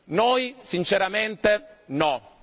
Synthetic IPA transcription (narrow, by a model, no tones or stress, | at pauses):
nojsint͡ʃeɾament̪enɔ